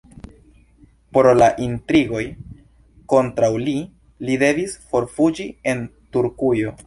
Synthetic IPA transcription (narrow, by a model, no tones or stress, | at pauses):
poɾlaʔintɾiɡo̞j | ko̞ntɾawli | lide̞visfo̞ɾfud͡ʒie̞ntuɾkujo̞